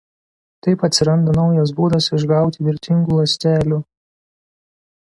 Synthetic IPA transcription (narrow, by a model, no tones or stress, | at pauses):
t̪ɐɪpɐt̪ʲsʲɪɾɐnd̪ɐnɒʊjɐsbuːd̪ɐsɪʒɡɑˑʊt̪ʲɪʋʲɪɾʲt̪ʲɪŋɡuːlˠɐsʲt̪ʲæːlʲuː